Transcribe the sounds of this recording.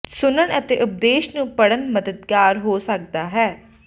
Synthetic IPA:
sʊnəɳət̪eːʔʊp̚d̪eːʃnũːpəɽənməd̪əd̪ɡaːɾɦoːsək̚d̪aːɦɛː

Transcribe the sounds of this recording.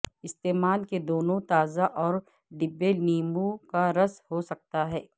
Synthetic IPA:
ɪst̪eːmaːlked̪oːnõt̪aːzaʔɔːɾ | ɖɪbːeniːmukaɾɐshosɐk̚t̪aɦɛː

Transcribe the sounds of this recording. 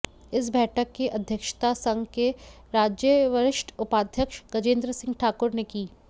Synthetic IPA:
ɪs̬bɛːʈʰəkːeʔɐd̪ʱjəkʃt̪asɐ̃ŋɡke | ɾaːd͡ʒjəʋɐɾɪʃʈʰʊpaːd̪ʱjəkʃɡɐd͡ʒẽːnd̪ɾəsɪ̃ŋɡʈʰaːkʊɾnekiː

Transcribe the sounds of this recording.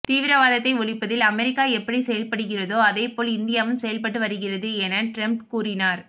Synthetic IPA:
t̪iːʋɪɾɐʋaːðɐt̪ːɐɪʋɔɭɪpːɐðɪlɐmɛɾɪkːaːɛpːɐɽisɛjɐlpɐɽɯɣɪrɐðoːɐðeːpoːlɪnd̪ɪjaːʋɯmsɛjɐlpɐʈːɯʋɐɾɯɣɪrɐðɯɛnɐʈɾɐmpkuːrɪnaːɾ

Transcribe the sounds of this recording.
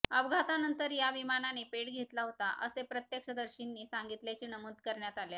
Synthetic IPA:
əbɡʱat̪anənt̪əɾjaʋimananepeɽɡʱet̪laɦot̪aʔə̰sepɾət̪jəkʂəd̪əɾɕinːiːsaŋɡit̪ljat͡ɕiːnəmud̪kəɾɳjat̪alja

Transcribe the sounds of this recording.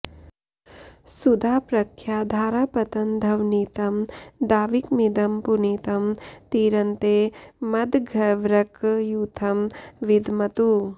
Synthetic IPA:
sud̪ʱaːpɾɐkʰjaːd̪ʱaːɾaːpɐt̪ɐnd̪ʱɐʋniːt̪ɐmd̪aːʋikmid̪ɐmpuniːt̪ɐmt̪iːɾɐnt̪eːmɐd̪ɡʱɐʋɾɐkjut̪ʰɐmʋid̪ʱmɐt̪u

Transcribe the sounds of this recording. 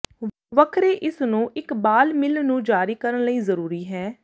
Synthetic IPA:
ʋəkʰɾeːʔɪsnũːʔɪkbaːlmɪlnũːd͡ʒaːɾiːkəɾənləiːzəɾuːɾiːɦɛː

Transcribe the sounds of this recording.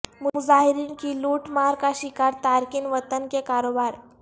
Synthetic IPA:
muud͡zaɦiɾiːnkiːluʈmaɾkaɕikaɾt̪aɾkiːnʋət̪ənkekaɾobaɾ

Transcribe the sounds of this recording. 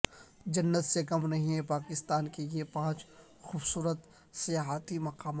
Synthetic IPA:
d͡ʒɐnːət̪sekɐmnɐɦĩɦɛ̃paːkɪst̪aːnkeiepãːt͡ʃ | xuːbsuːɾət̪ | sijaːɦt̪imɐqaːmaː

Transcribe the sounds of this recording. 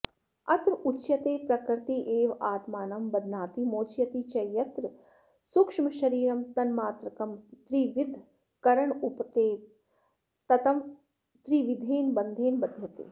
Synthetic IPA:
ɐt̪ɾut͡ʃjɐt̪eːpɾɐkɾɪt̪iʔeːʋaːt̪maːnɐmbɐd̪ʱnaːt̪imoːt͡ʃjɐt̪it͡ʃɐjɐt̪ɾ | sukʂmɐʃɐɾiːɾɐmt̪ɐnmaːt̪ɾɐkɐmt̪ɾiʋɪd̪ʱ | kɐɾɐɳupt̪eː | t̪ɐt̪ɐm | t̪ɾiːʋid̪ʱeːnbɐnd̪ʱeːnbɐd̪ʱjɐt̪ḛː

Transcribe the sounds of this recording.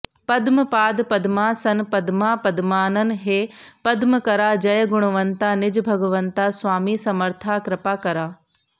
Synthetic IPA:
pɐd̪mɨpaːd̪pɐd̪maːsɐnpɐd̪maːpɐd̪maːnɐnɦeːpɐd̪məkɐɾaːd͡ʒɐjɐɡʊɽ̃ʋɐnt̪aːnɪd͡ʒbʱɐɡəʋɐnt̪aːsʋaːmiːsɐməɾt̪ʰaːkɾɪpaːkɐɾaː

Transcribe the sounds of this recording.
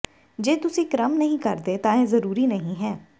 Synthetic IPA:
d͡ʒeːt̪ʊsĩːkɾəmnəɦĩːkəɾd̪eːt̪ãːɛ̃ːzəɾuːɾiːnəɦĩːɦɛː

